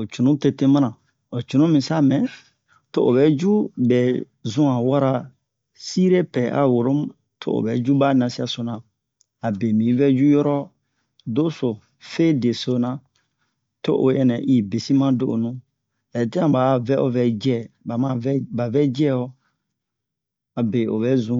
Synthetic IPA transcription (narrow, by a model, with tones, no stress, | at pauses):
o˨t͡ʃu˨nũ˦te˦te˦mã˦nã˨ | o˨t͡ʃu˨nũ˦mĩ˨sa˦mɛ̃˨ | to˦ʔo˨bɛ˦d͡ʒu˦bɛ˨ | zũ˦ã˨wa˦ɾa˦ | si˦ɾe˦pɛ˨ʔa̰˨wo˨ɾo˦mu˦ | tʰo̰˦o̰˨bɛ˨d͡ʒu˦ba˦nã˨si˦a˦so˨nã˨ | a˨bɛ˨mĩ˨˦vɛ˦d͡ʒu˦jɔ˦ɾɔ˦ | do˦so˨ | fe˦de˨so˦nã˨ | to̰˦ʔo˨jɛ˨nɛ˨ʔi˨be˨si˦mã˦do˦˨ʔo̰˨nũ˦ | ɛ˨tɛ˦ã˨ba˨˦vɛ˦ʔo˦vɛ˦d͡ʒɛ˦ba˨mã˦vɛ˦ba˨vɛ˦d͡ʒɛ˦o˦ | a˨be˨o̰˨bɛ˦zũ˦